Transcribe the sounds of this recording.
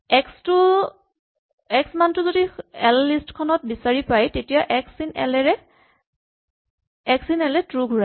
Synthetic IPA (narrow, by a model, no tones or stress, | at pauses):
ɛkstʊ | ɛksmantʊzodiɛlːistkʰɔnɔt̚bisaɹipajtetijaʔɛksinɛlɛɹɛ | ɛksinɛlɛtɹuɡʱuɹa